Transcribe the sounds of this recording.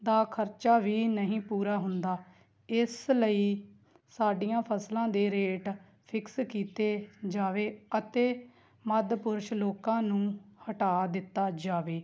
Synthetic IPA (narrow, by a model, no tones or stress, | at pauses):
d̪aːkʰəɾt͡ʃaːʋiːnəɦĩːpuːɾaːɦʊnd̪aː | ɪsləiː | saːɖijãːpʰəslãːd̪eːɾeːʈ | pʰɪkskiːt̪eːd͡ʒaːʋeːət̪eː | məd̪pʊɾʃloːkãːnũːhəʈaːd̪ɪt̪ːaːd͡ʒaːʋeː